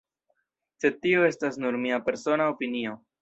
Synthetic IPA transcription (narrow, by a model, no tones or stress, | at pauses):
se̞tioe̞stasnuɾmiape̞ɾso̞naopinio̞